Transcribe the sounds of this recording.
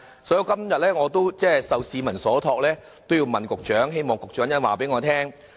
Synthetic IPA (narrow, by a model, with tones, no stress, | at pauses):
sɔː˨˥ji˧wkɐ˥mjɐ˨t̚lɛː˥ŋɔː˨˧t̪o˥wt͡sɛː˥sɐ˨wsiː˨˧mɐ˨˩nsɔː˨˥t̪ʰɔː˧k̚lɛː˥ | t̪o˥wji˧wmɐ˨nkʊ˨k̚t͡ʃœː˨˥ŋɦe˥jmɔː˨ŋkʊ˨k̚t͡ʃœː˨˥ŋjɐ˥nwaː˨˩pe˨˥jŋɔː˨˧t̪ʰɛː˥ŋ